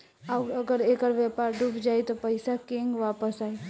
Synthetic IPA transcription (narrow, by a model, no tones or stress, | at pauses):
aəɡəɾekəɾʋjɛpaɾɖupd͡ʒaːjt̪opəɪsakẽŋɡʋapəsaːi